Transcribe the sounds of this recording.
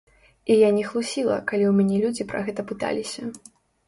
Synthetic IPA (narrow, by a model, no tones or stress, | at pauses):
ijanʲɛxlˠusʲilˠɐ̰kalʲiwmʲanʲɛlʲud͡zʲipɾɐ̰ɣɛt̪ɐpɨt̪a̰lʲisʲɐ